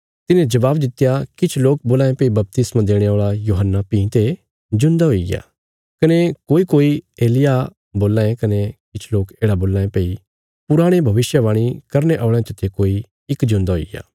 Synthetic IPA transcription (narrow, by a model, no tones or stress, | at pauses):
t̪ɪnẽd͡ʒɐʋaːbd̪ɪt̪ɪjakɪt͡ʃʰloːk̚boːlaːẽpeːibɐp̚t̪ɪsmãd̪eːɽ̃eoːɭajuːɦənːapĩːt̪e | d͡ʒʊ̃nd̪aɦoːiɡja̰ː | kɐnekoːikoːieːlɪja | boːlːãːẽkɐnekɪt͡ʃʰloːkeːɽaboːlãːẽpeːi | pʊɾaːɽ̃ebʱɐʋɪʃjəʋãːɽ̃ikɐɾneʔɔːɭẽt̪ɐt̪ʰekoːi | ɪkd͡ʒʊ̃nd̪aɦoḭɡja̰ː